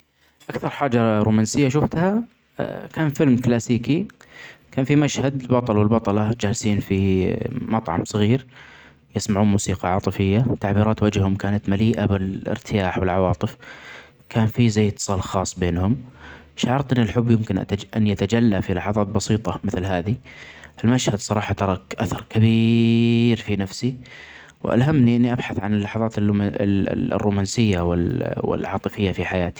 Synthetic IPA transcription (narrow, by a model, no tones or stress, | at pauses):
ʔakθɑɾˤħaːd͡ʒaɾṵːmaːnsɪjːaʃ̬ʊft̪ha̰ | kʰaːnfɪlmklaːsiːki | kaːnfimaʃhad̪ɪlbɑt̪ˤɑlwɪlbɑt̪ˤɑlɑd͡ʒaːlsiːnfimɑt̪ˤʕɑ̰msˤɑɣiːɾ | jɪsmaʕuːnmuːsiːqɑʕɑ̰ːt̪ˤɨfɪjːat̪aʕbiːɾɑːt̪wad͡ʒhʊmkaːnat̪maliːʔabɪlɪ̰ɾt̪ʰɪjaːħwɪlʕɑwɑːt̪ˤɨf | kʰaːnfizajːɪt̪ːɨ̥sˤɑːlxɑːsˤːbeːnhʊm | ʃʕɑɾt̪ˤʔɪnːɪlħʊbːjɪmkɪnʔ̪ʔa̰nːʔat̪ad͡ʒalːafilɑħɑðˤɑːt̪̚bɑsiːt̪ˤɑmɪθlɦaːðiʔɪlmaʃhad̪sˤɑɾˤɑːħɑt̪ɑɾˤɑkʔaθɑɾˤkabi | ɾfinafsi | wʔa̰lɦamniʔɪnːiʔabħaθʕanɪlːɑħɑðˤɑːt̪ɪl̰ː | rːuːmaːnsɪjːawɪwɪ̰lʕɑ̰ːt̪ˤɨfɪjːafiħajaːt̪i̥